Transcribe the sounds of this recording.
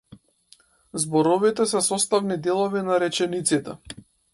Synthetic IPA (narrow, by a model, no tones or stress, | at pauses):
zbɔɾɔvit̪ɛsɛsɔst̪avnid̪ɛlˠɔvinaɾɛt͡ʃɛnit̪sit̪ɛ̰